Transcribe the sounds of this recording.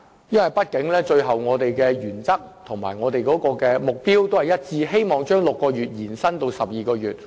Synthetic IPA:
jɐ˥nwɐ˨jpɐ˥t̚kɪ˨˥ŋlɛː˥t͡ʃɵ˧ɥɦɐ˨˩wŋɔː˨˧t̪e˨jkɛː˧jyː˨˩nt͡sɐ˥k̚t̪ʰʊ˨˩ŋmaː˨˩jŋɔː˨˧t̪e˨jkɔː˨˥kɔː˧kɛː˧mʊ˨k̚piː˥wt̪o˥whɐ˨˩jɐ˥t̚t͡siː˧ɦe˥jmɔː˨ŋt͡ʃœː˥ŋlʊ˨kːɔː˧ɥyː˨t̚jiː˨˩nsɐ˥nt̪o˧wsɐ˨p̚jiː˨kɔː˧jyː˨˩t̚

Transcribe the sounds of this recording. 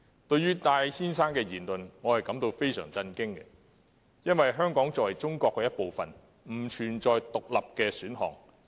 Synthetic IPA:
t̪ɵ˧ɥyː˥t̪aː˧jtʰiː˥nsaː˥nkɛː˧jiː˨˩nlɵ˨nŋɔː˨˧hɐ˨jkɐ˨˥mt̪o˧wfe˥jsœ̰ː˨˩ŋt͡sɐ˧nkɪ˥ŋkɛ̰˧ | jɐ˥nwɐ˨jɦœː˥ŋkɔː˨˥ŋt͡sɔː˨wɐ˨˩jt͡sʊ˥ŋkɔː˧kːɛː˧jɐ˥t̚po˨wfɐ˨˩n | m̩˨˩t͡ʃʰyː˨˩nt͡ʃɔː˨jt̪ʊ˨k̚lɐ˨p̚kɛː˧syː˨˥nɦɔ̰ː˨ŋ

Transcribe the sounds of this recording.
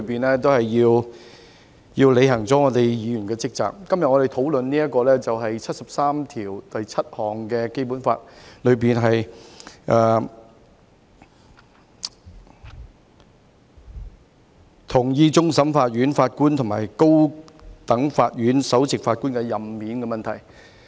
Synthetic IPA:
piː˨nlɛː˥t̪̬o˥whɐ˨jːiː˧w | jiː˧wle˨˧jɦɐ˨˩ŋt͡sɔː˨˥ŋɔː˨˧t̪e˨jjiː˨˧jy˨˩nkɛː˧t͡sɪ˥k̚t͡sa̰ː˨k̚kɐ˥mjɐ˨t̚ŋɔː˨˧e˨jt̪ʰo˨˥wlɵ˨˧nniː˥jɐ˥t̚kːɔː˧lɛː˥t͡sɐ˨wɦɐ˨jt͡sʰɐ˥t̚sɐ˨p̚saː˥mt̪ʰiː˨˩wt̪ɐ˨jt͡sʰɐ˥t̚hɔː˨˩ŋkɛː˧ke˥jpuː˨˥nfa̰ː˧t̚lɵ˨˧ɥpiː˨nɦɐ˨jʔɛː˨ | t̪ʰʊ˨˩ŋjiː˧t͡sʊ˥ŋsɐ˨˥mfaː˧t̚ɥyː˨˥nfaː˧t̚kuː˥nt̪ʰʊ˨˩maː˨˩jko˥wt̪ɐ˨˥ŋfaː˧t̚ɥyː˨˥nsɐ˨˥wt͡sɪ˨k̚faː˧t̚kuː˥nkɛ˧jɐ˨mmiː˨˥nkɛ˧mɐ˨nt̪ʰɐ˨˩j

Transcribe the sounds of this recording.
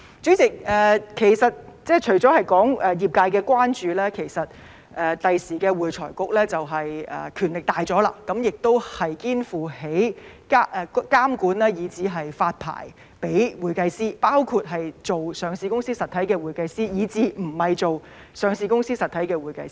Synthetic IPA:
t͡ʃy˨˥t͡sɪ˨k̚ɛː˨kʰe˨˩jsɐ˨t̚t͡sɛː˥t͡ʃʰɵ˨˩ɥt͡sɔː˨˥hɐ˨jkɔː˨˥ŋʔɛ˨˧jiː˨p̚kaː˧jkɛː˧kʷwaː˥nt͡ʃyː˨˧lɛː˥kʰe˨˩jsɐ˨t̚ | ʔɛː˨t̪ɐ˨jsiː˨˩kɛː˧wuː˨jt͡sʰɔ̰ː˨˩jkʊ˨k̚lɛː˥t͡sɐ˨wɦɐ˨jɛ̰ː˨kʰyː˨˩nlɪ˨k̚t̪aː˨jt͡sɔː˨˥la̰ː˧kɐ˨˥mjɪ˨k̚t̪o˥whɐ˨jkiː˥nfuː˨he˨˥jka˥ʔɛ˨˧kaː˥mkuː˨˥nlɛː˥jiː˨˧t͡siː˨˥ɦɐ˨jfaː˧t̚pʰa̰ː˨˩j | pe˨˥jwuː˨˩jkɐ˧jsiː˥paː˥wkʰu˧t̚ɦɐ˨jt͡so˨wsœː˨˧ŋsiː˨˧kʊ˥ŋsiː˥sɐ˨t̪ʰɐ˨˥jkɛː˧wuː˨˩jkɐ˧jsiː˥jiː˨˧t͡siː˨˧m̩˨˩hɐ˨jt͡so˨w | sœː˨˧ŋsiː˨kʊ˥ŋsiː˥sɐ˨t̪ʰɐ˨˥jkɛː˧wuː˨jkɐ˧js

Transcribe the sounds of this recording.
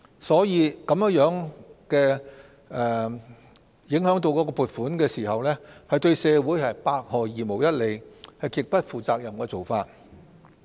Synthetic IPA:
sɔː˨˥jiː˨˧kɐ˨˧mjŋjœː˨˥ŋkɛː˧ | ɛː˨ | jɪ˨˥ŋhœː˨˥ŋt̪o˧wkɔ˨˧˥kɔː˧puː˨˩t̚fuː˨˥nkɛː˧siː˨˩hɐ˨wlɛː˥hɐ˨jt̪ɵ˧ɥsɛː˨˧wuː˨˥jhɐ˨jpaː˧k̚hɔː˨˩jiː˨mo˨wjɐ˥t̚le˨˩jhɐ˨jkɪ˨˧k̚pɐ˥t̚fuː˨˩t͡saː˧k̚jɐ˨mkɛː˧t͡so˨˩wfaː˧t̚

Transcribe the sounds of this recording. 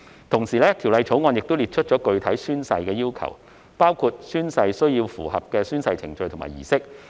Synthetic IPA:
t̪ʰʊ˨˩ŋsiː˨˩lɛː˥t̪ʰi˨˩wlɐ˧jt͡ʃʰo˨˥wŋɔː˧njɪ˨k̚t̪o˥wliː˨t̚t͡ʃʰɵ˥t̚t͡ʃɔ˨˥kɵ˧ɥt̪ʰɐ˨˥jsyː˥nsɐ˧jkɛː˧jiː˥wkʰɐ̰˨˩w | paː˥wkʰuː˧t̚syː˥nsɐ˧jsɵ˥ɥjiː˧wfṵː˨˩hɐ̰˨p̚kɛː˧syː˥nsɐ˧jt͡sʰɪ̰˨˩ŋt͡ʃɵ˧jt̪ʰma̰ː˨˩jiː˨˩sɪ˥k̚

